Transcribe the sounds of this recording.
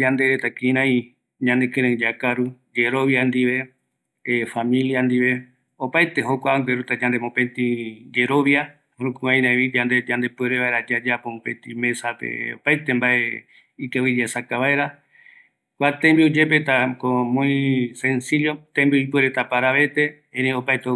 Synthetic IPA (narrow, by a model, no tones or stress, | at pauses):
d͡ʒand̪eɾet̪akiɾ̃ãĩ | ɲãnekẽɾ̃ẽd͡ʒakaɾu | d͡ʒeɾo̞βjand̪iβe̞ | famĩljand̪iʋe̞ | opajt̪e̞ɦokʷaŋɡeɾut̪ad͡ʒãnd̪emõpẽ̞nt̪id͡ʒeɾo̞βja | hɾũkuãj̃nãeβid͡ʒand̪ed͡ʒand̪e̞peɾeβaeɾad͡ʒad͡ʒapomõpẽnt̪ĩmẽ̞sapḛo̰pajt̪e̞mbae | ikewid͡ʒasakaβaeɾa | kʷat̪ẽmbiud͡ʒep̬et̪akomõĩsẽnsiljot̪embioipueɾet̪apaɾaβe̞t̪e̞ | ẽɾeopajt̪e